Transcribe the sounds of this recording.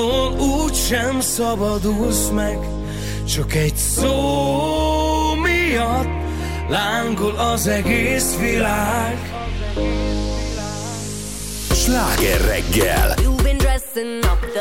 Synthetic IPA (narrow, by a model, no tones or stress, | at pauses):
oluːcʃɛmsɒbɒd̪uzmɛɡ | t͡ʃɒkɛɟsoː | mijɒt̪ː | laːŋɡolɒzɛɡeːsʋilaːɡ | ɡ | ʃlaːɡɛrːɛ̰ɡːɛ̰lubɪndɛs